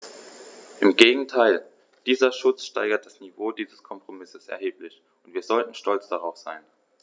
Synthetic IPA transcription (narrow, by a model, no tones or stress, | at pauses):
ʔɪmɡeːɡŋ̩tʰaɪl | d̥iːzɐʃʊt͡sʃta̰ɪɡɐt̚d̥asnivoːdiːzəskʰɔmpʁ̥omɪsəsɛ̰ɐɦeːplɪç | ʊntv̥iːɐzɔltn̩ʃtɔlt͡sd̥aʁ̞aʊfz̥a̰ɪn